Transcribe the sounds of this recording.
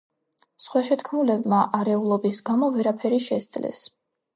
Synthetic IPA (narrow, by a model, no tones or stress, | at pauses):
sχwaʃɛt̪ʰkʰmulɛbmaʔaɾɛulˠɔbisɡamɔvɛɾapʰɛɾiʃɛsd̪sʼlɛ̰s